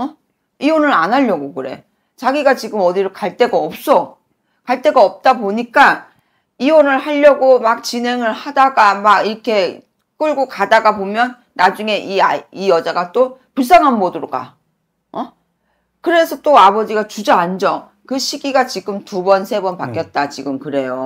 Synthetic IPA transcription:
ʌ | iwʌnɯɾanɦaʎːʌɡokɯɾe̞̰ | t͡ɕaɡiɡat͡ɕiɡɯmʌdiɾokaɭt͈e̞ɡaʌp̚s͈ʌ | kaɭt͈e̞ɡaʌp̚t͈aboɲik͈a | iwʌnɯɭhaʎːʌɡomak̚t͡ɕine̞ŋɯɭhadaɡamaɡiɾʌkʰe̞ | k͈ɯɭɡokadaɡapomjʌnːad͡ʑuŋe̞ʔiaijʌd͡ʑaɡat͈opuɭs͈aŋɦanbʌdɯɾoka̰ | ʌ | kɯɾe̞sʰʌt͈oabʌd͡ʑiɡat͡ɕud͡ʑaand͡ʑʌ | kɯɕʰiɡiɡat͡ɕiɡɯmtubʌnsʰe̞bʌnpak͈jʌt̚t͈at͡ɕiɡɯmkɯɾe̞jo

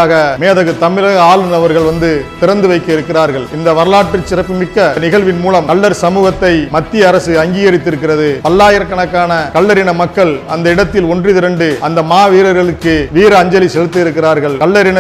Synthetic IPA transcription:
aːɣɐmeːðɐɣɯt̪ːɐmɪɾɐɣɐaːlɯnɐʋɐɾɣɐɭʋɐnd̪ɯt̪ɪɾɐnd̪ɯʋɐɪkːɐɪɾɯkːɪraːɾɣɐɭɪnd̪ɐʋɐɾɐlaːʈrɯt͡ʃːɪɾɐpːɯmɪkːɐnɪɣɐɭʋɪnmuːlɐmkɐɭːɐɾsɐmuːɣɐt̪ːɐɪmɐt̪ːɪjɐːɾɐsɯɐŋɡiːɣɐɾɪt̪ːɪɾɯkːɪrɐðɯpɐlːaːjɐɾɐkːɐɳɐkːaːnɐkɐɭːɐɾɪɳɐmɐkːɐɭɐnd̪ɐɪɽɐt̪ːɪlɔndrɪðɪɾɐɳɖɯɐnd̪ɐmaːʋiːɾɐɾɣɐɭɯkːɯʋiːɾɯɐɲd͡ʒɐlisɛlɯt̪ːɯɪɾɯkːɪraːɾɣɐɭkɐɭːɐɾɪnɐ

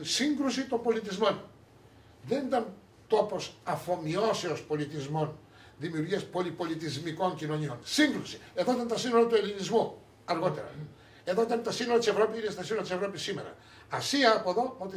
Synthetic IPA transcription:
siŋɡɾusit̪ompolit̪̬izman | d̪end̪an | t̪oposafomiɔseospolit̪izmon | d̪imiuɾiaspolipolit̪izmikɔŋkinoɲoŋsiŋɡɾusieðot̪ent̪asinlot̪uelinizmo | aɾɣot̪eɾa̰ | eðot̪ent̪asinolt͡ʃepɾɔpiilest̪asunat͡ʃepɾɔp̬jisimeɾa̰ | asiapoðomot̪i

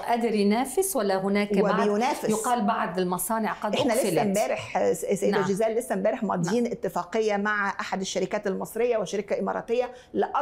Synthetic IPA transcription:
ʔad̪ɾinæːfɪswalːahʊnæːkwɪɪjʊnæːfɪjʊqɑːlbaʕd̪ɪlmɑsˤɑːnɪʕqɑd̪ʔeħnæleslæmbæːɾɪħsæjːd̪æʒazæːlːɪsːæmbæːɾɪħmɑːd̪ˤiːnʔɪt̪ːɪfɑːqejːamaʕʔaħad̪ɪʃːaɾɪkæːt̪ɪlmɑsˤɾɪjːawɪʃaɾɪkaʔɪmɑ̰ɾˤɑ̰ːt̪ejːa | lɪʔɑ

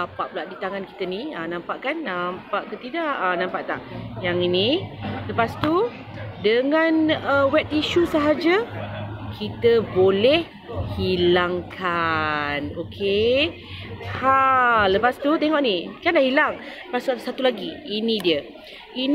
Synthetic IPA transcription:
apaʔpulaʔdit̪aŋanki̥t̪əniənãmpaʔkanːampaʔkət̪idaʔənãmpaʔt̪a̰ʔjaŋiniləpast̪u | dəŋanəwɛt̚iʃusəɦad͡ʒə | kʰit̪əbolɛh | hilaŋkʰanokʰe | haləpast̪ut̪eŋɔʔnikanlahilaŋ | pasusat̪ulaɡiːnĩdiə | in

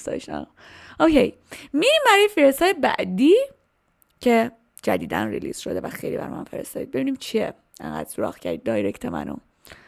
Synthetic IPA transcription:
sd̪ɒ̰ʃɑ̰ | okʰej | miɾiːmbæɾɒːjefiɾest̪ɒːjebæ̰ʔd̪iː | cʰe | d͡ʒæd̪iːd̪ænrḭlḭːsʃod̪evæxejliːbæ̰ɾ̰ːmæ̰nfeɾest̪ɒːd̪iːbe̞biniːmt͡ʃʰiḛ | eŋɡæ̰d̪̥suɾɒ̰ːɣcʰæɾd̪iːd̪̚ːɒːjɾect̪ʰemæ̰no̰

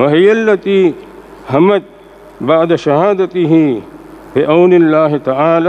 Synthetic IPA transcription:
wɐɦɪjɐlːɐt̪iː | ɦɐmɐt̪̚ | baʕd̪ɐʃɐɦaːd̪ɐt̪ɪɦiːbɪʔawnɪlːaːɦɪt̪ɐʕaːla

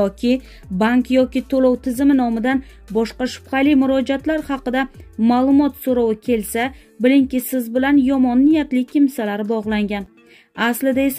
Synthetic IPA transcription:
ɒkʲʰɪ | baŋkjɒkʲɪt̪ʰolɒwt̪ʰɪzɪmɪnɒmɪd̪an | bɒʃqɑʃʊ̥pχɑlɪmʊɾɒd͡ʒat̪laɾhɑqɨd̪amalˠʊmɒt̪soɾɒwɪkʲʰe̞lsa | bɪlɪŋkʲɪsɪzbɪlanjɒmɒnːɪjat̪lɪkʰʲɪmsalaɾɪbɒʁlˠaŋɡʲan | aslɪd̪aes

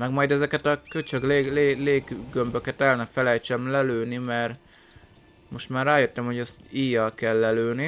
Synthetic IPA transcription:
mɛɡmɒjd̪ɛzɛkɛt̪ɒkøt͡ʃøɡleːleleːɡɡø̞mbø̞kɛt̪ɛlːɛnɛfɛlɛjt͡ʃɛmlɛløːnimɛr | mo̞ʃt̪maːraːjøt̪ːɛmhoɟɛst̪iːjɒlkɛlːɛløːni

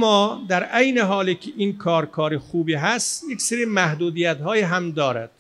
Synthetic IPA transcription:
mːɒːd̪æɾʔejneɦɒːlikʲʰeʔinkʰɒːɾkʰɒːɾexuːbiːɦæst̪jecʲseɾiːmæhd̪uːd̪iːjæt̪ɦɒːjiːɦæmd̪ɒːɾæ̰d̪̥

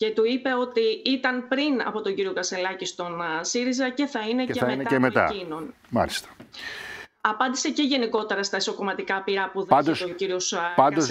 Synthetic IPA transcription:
ce̞t̪uipe̞o̞t̪iit̪ɐnpɾinɐ̰po̞t̪o̞ɲɟiɾio̞kɐselɐcist̪o̞nsiɾizɐce̞θɐineemet̪ɐmet̪ɐ̰ino̞n | mɐ̰list̪ɐ̥ | ɐpɐnd̪ise̞ceʝe̞niko̞t̪e̞ɾɐst̪ɐiso̞ko̞mɐt̪ikɐpiɾɐpuðɐnd̪osociɾio̞sɐnd̪oz

